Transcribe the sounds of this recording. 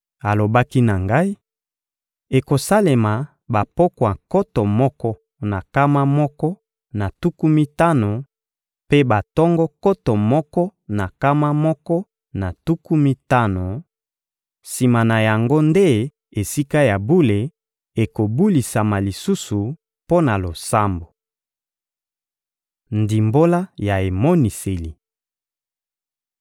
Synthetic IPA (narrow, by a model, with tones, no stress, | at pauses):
a˨lo˨ba˦ki˦na˨ŋɡa˦i˦ | e˨ko˨sa˦le˨ma˨ | ba˨pɔ˦kwa˨kɔ˦tɔ˨mɔ˦kɔ˦ | na˨ka˦ma˦mɔ˦kɔ˦ | na˨tu˦ku˦mi˦ta˦no˨ | pe˦ba˨tɔ˦ŋɡɔ˦kɔ˦tɔ˨mɔ˦kɔ˦na˨ka˦ma˦mɔ˦kɔ˦ | na˨tu˦ku˦mi˦ta˦no˨ | si˨ma˨na˨ja˨ŋɡo˦nde˦ | e˨si˦ka˦ja˨bu˦le˨ | e˨ko˨bu˦li˨sa˨ma˨li˨su˦su˨ | po˦na˨lo˨sa˦mbo˨ | ndi˨mbo˦la˦ja˨e˨mɔ˦ni˨se˨li˨